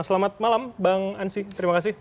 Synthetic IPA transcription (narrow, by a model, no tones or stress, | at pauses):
səlamat̪̚malambaŋansit̪əɾimakasɪh